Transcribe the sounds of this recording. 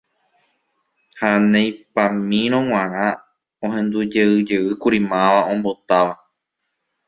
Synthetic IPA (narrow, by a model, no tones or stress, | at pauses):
hanẽj̃pãmĩɾ̃õw̃ãɾ̃ã | õhẽ̞nd̪ud͡ʒeɨd͡ʒeɨkuɾimãʋaõ̞mbo̞t̪aʋa